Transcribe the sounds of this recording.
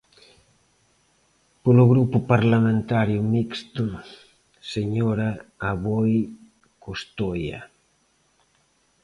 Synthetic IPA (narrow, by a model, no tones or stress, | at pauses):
poloɣɾupʊpaɾlamẽnt̪aɾjʊmikst̪u | seɲɔɾaːβɔj | kost̪oja̰